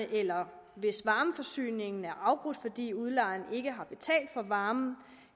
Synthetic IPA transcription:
əʔelɐʋe̝sʋɑ̈ːməfɒ̽sy̰ːne̝ŋn̩æɐʔɑ̈ʊb̥ʁud̥fɒ̽d̥ḭːuð̞ˠlɑ̈ɪne̝ɡ̥əɦɑ̈b̥e̝t͡sʰɛ̰ːld̥fɒ̽ʋɑ̈ːm̩

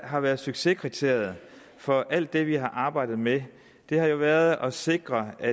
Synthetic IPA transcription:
ɦɑ̈ʋæɐð̞̩ˠsyɡ̥se̝kʰʁit͡sʰe̝̰ɐjð̩ˠ | fɒ̽ʔæl̰d̥ːe̝ʋiɦɑ̈ʔɑ̈ːb̥ɑ̈ɪ̰d̥ð̩ˠme | d̥e̝hɑ̈jo̝ʋæːɐð̞̩ˠɒ̽se̝ɡ̥ʁɐæ

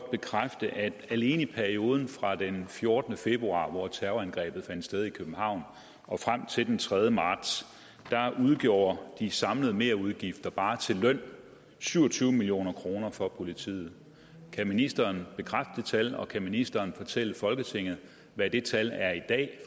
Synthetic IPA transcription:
b̥e̝kʰʁafd̥əʔæd̥æle̝ːnəipʰæɐio̝ːð̞ˠn̩fʁɑ̈d̥enfjo̝ɐd̥ənəfe̝b̥ʁuɑ̰̈ːʋɒt͡sʰæɐʊænɡ̥ʁɛ̰ːb̥ð̞̩ˠfæn̰d̥sd̥eð̞ˠikʰøb̥m̩hɑ̈ʊ̰n | ʔɒ̽fʁam̰t͡sʰe̝ld̥ent͡sʰʁɛð̞ˠjəmɑ̈ːd̥s | d̥ɑ̈ʔuð̞ˠɡ̥jo̝̰ːɐd̥isɑ̈mləð̞̩ˠme̝ːɐuðˠɡ̥ifd̥ɐb̥ɑ̈ːt͡sʰe̝lːœn̰ | syʊɐt͡sʰyːʊmilio̝̰ːnɐkʰʁo̝ːnɐfɒ̽pʰo̝lit͡sʰḭːð̩ˠ | kʰæminisd̥ɐːnb̥e̝kʰʁafd̥ət͡sʰælɒ̽kʰæminisd̥ɐːnfɒ̽t͡sʰel̰əfɒ̽lɡ̥ət͡sʰe̝ŋ̰ð̞̩ˠ | ʋæd̥e̝t͡sʰælæɐid̥ɛ̰ː

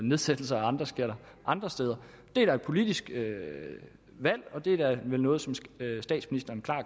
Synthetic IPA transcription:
ne̝ð̞ˠsed̥l̩sɐæɑ̈nd̥ʁɐsɡ̥e̝ɐ̰ɾ̥ɐ | ʔɑ̈nd̥ʁɐsd̥eːðˠɐ | d̥e̝æɾ̥ɑɪd̥̚pʰo̝lid̥isɡ̥ø | ʋæl̰ɒ̽d̥e̝ædæʋelnɔːð̞̩ˠsɒ̽msd̥ɛ̰ːd̥sminisd̥ɐːnkʰlɑ̰̈ː

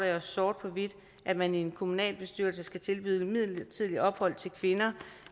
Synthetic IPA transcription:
ɒsːɒːd̥̚pʰɒ̽ʋid̥ | ʔæ̥mænienkʰo̝munɛ̰ːlb̥e̝sd̥yɐ̰ls̬əsɡ̥æt͡sʰe̝lb̥y̰ðˠmið̰ˠt͡sʰið̰ˠliɒ̽b̥hɒ̽l̰t͡sʰe̝lkʰʋe̝nɐ

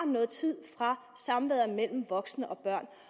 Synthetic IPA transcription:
nɔ̽ːð̩ˠt͡sʰið̞̰ˠfʁɑ̈ | sɑ̈mʋɛ̰ðˠɐmel̰m̩ʋɒ̽ɡ̥snəʔɒ̽b̥ɶɐ̰n

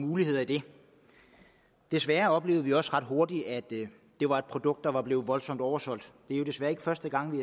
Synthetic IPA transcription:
muːlihe̝ð̰ˠɐid̥e̝ | d̥e̝sʋæɐɒ̽b̥le̝̰ːʊð̩ˠʋiɒ̽sʁɑ̈d̥ɦo̝ɐd̥id̥æd̥ː | e̝ʋɑ̈e̝d̥̚pʰʁod̥ɔ̽ɡ̥̚d̥ɑ̈ʋɑ̈b̥le̝ːʋɒ̽lsɒ̽m̰d̥ɒʊɐsɒ̽l̰d̥d̥e̝æɐjo̝d̥esʋæːɐeɡ̥əfɶɐsd̥əɡ̥ɑ̈ŋ̰ʋi

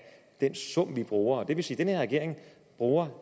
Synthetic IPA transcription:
d̥en̰sɔ̽m̰ʋib̥ʁuːɐɒd̥e̝ʋe̝siːd̥enheɐʁɛɡe̝ɐ̰e̝ŋ | b̥ʁuːɐ

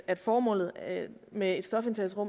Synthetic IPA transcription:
æd̥fɒːmɔ̰̽ːlð̩ˠmee̝d̥sd̥ɒ̽fent͡sʰæsʁɔ̽m

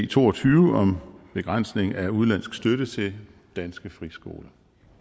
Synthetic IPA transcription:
t͡sʰo̝̰ːɒ̽t͡sʰyːʊəɒ̽mb̥e̝ɡ̥ʁɑn̰sne̝ŋ̩æuð̞ˠlæn̰sɡ̥sd̥øɾət͡sʰe̝l | d̥ænsɡ̥əfʁisɡ̥o̝̰ːlɐ

